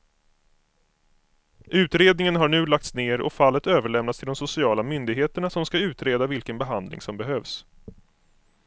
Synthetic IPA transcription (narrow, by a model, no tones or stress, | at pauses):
ʔʉ̟ːt̪ɾeːd̪nɪŋənɦaɳʉ̟ːlak̚t̪sneːɾɔ̰falːət̪øːvəɭɛmnat̪st̪ɪld̪ɔmsʊsɪɑːlamʏnd̪ɪɡɦeːt̪əɳasɔmskaʉ̟ːt̪ɾeːd̪avɪlkənbɛɦand̪lɪ̰ŋsɔmbɛɦøːvs